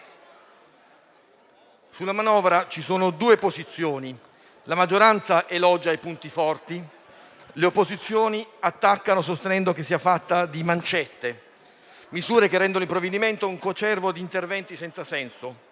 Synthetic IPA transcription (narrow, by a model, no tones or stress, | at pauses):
sulːamanɔːvɾat͡ʃisoːnod̪uːepozit̪sːjoːni | lamad͡ʒːoɾant̪saʔelɔd͡ʒajpunt̪ifɔrt̪i | leopːozit̪sːjoːniat̪ːakːanos̬ost̪enɛnd̪ok̟esːiafat̪ːad̪imant͡ʃɛt̪ːe | mizuːɾekerːɛnd̪onolimpɾovːed̪iment̪ouŋkot͡ʃɛrvod̪iːnt̪ervɛnt̪isɛnt̪sasɛnso